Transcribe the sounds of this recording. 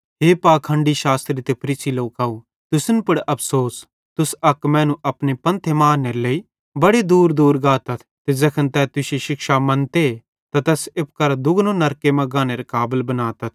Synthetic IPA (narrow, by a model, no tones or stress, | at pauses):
ɦeːpaːkʰə̃ɳɖiʃaːst̪ɾit̪epʰɐɾiːsiloːkaːu | t̪ʊsənpɐɽɐpʰsoːs | t̪ʊsɐkmɛ̃ːnũʔɐpnepɐ̃nt̪ʰemaːnelɐi | bɐɽed̪uːɾd̪uːɾɡaːt̪ɐt̪ʰt̪ed͡ʒɐkʰənt̪ɛːt̪ʊsiʃɪkʃamɐ̃nt̪e | t̪at̪ɛːsɪp̚kɐɾad̪ʊɡnõnɐɾkemɐ̃ɡaːneɾekaːbəlbɐnaːt̪ɐt̪ʰ